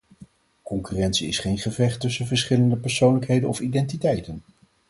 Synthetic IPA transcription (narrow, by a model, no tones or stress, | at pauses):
kɔŋkyrɛntsiɪsχejnχəvɛχtɵsənvəɹsχɪləndəpɛɹsownləkɦejdənɔfidɛntitɛjtən